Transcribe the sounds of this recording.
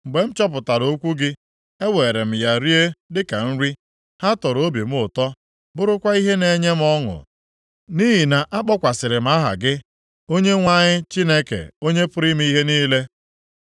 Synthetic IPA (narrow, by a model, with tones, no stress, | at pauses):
m̩˨ɡ͡be˨m̩˦t͡ʃɔ˦p̬ʊ˨ta˨ɾo˨˦kʷu˦ɡɪ˦ | e˦we˨ɾe˨m̩˨ja˨ɾi˦e˦dɪ˦ka˨n̩˦ɾi˦ | ha˦tɔ˨ɾo˦bi˨m̩˦ʊ˨tɔ˦ | bʊ˦ɾʊ˦kʷa˦i˦ɦe˦ne˨ɲe˦m̩˦ɔ˦ŋʊ̰˨ | ni˦ɦi˨na˨ʔa˦k͡pɔ˦kʷa˨sɪ˨ɾɪ˨m̩˨˦a˦ɦa̰˨ɡɪ˦ | o˦ɲe˦ŋʷa˦ɲɪ˦t͡ʃi˦ne˦kḛ˨o˦ɲe˦pʊ˦ɾi˦m̩˦i˦ɦe˦niː˦le˦